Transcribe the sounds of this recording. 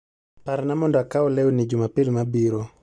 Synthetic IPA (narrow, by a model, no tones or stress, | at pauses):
paɾnamɔndakaɔlɛwunid͡ʒumapɪlmabiɾɔ